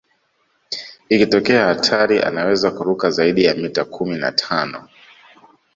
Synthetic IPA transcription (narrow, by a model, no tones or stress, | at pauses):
ikitɔkɛahatʰaɾiʔa̰nawɛzakuɾukazaiɗijamitakʰumina̰tʰanɔ̰